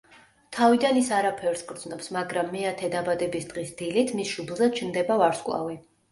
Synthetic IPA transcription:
t̪ʰavid̪anisaɾapʰɛɾsɡɾd̪znɔpsmaɡɾamːɛat̪ʰɛd̪abad̪ɛbisd̪̥ʁisd̪̥ilit̪ʰmisʃublˠzat͡ʃʰnd̪ɛbavaɾskʼlˠa̰vi

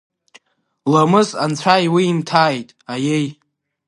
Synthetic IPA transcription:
lomɨzant͡sʷʰajwiːmtʰaːjtʼajej

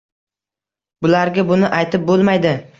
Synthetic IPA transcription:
bʊlaɾɡʲabʊnɪʔajt̪ʰɪp̚bolˠmajd̪ɪ

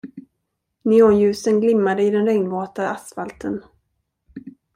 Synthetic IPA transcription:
nɪɔnjʉ̟ːsənɡlɪmːad̪əɪd̪ɛnɾɛŋnvɔːt̪aasfalt̪ʰən

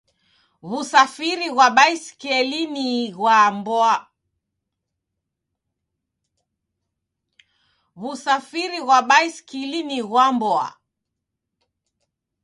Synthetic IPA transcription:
βusafiɾiɣwaɓaiskɛliniɣwambɔa | βusafiɾiɣwaɓaiskiliniɣwambɔa̰

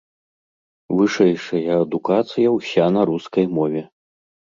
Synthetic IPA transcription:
vɨʂɛjʂɐjɐːd̪ukat̪sɨjɐwsʲanɐɾuskɐjmɔvʲɛ

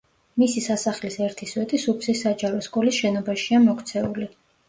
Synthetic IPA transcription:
misisasaχlisɛɾt̪ʰiswɛt̪ʼisupsisːad͡ʒaɾɔskʼɔlisʃɛnɔbaʃiamɔkʰt̪sʰɛuli

